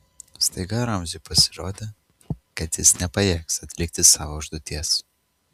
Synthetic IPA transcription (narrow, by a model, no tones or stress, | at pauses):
st̪ɐɪɡɐɾɐmʲzʲɪpɐsʲɪɾoːd̪ʲeː | kɐt̪jɪsnʲɛpɐjɛːksɐt̪ʲlʲɪkt̪ʲɪsɑːʋoʊʒd̪ʊt̪ʲiɛs